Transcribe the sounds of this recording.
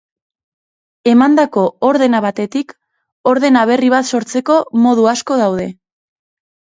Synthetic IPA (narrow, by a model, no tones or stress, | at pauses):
e̞mand̪ako̞oɾðe̞naβat̪e̞t̪ik | o̞ɾðe̞naβ̞e̞riβ̞at̪so̞ɾt͡se̞ko̞mo̞ð̞uasko̞ðawð̞e̞